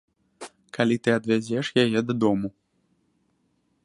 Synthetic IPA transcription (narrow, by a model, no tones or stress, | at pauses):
kalʲit̪ɨɐd̪vʲad͡zʲɛʂjajɛd̪ad̪ɔmu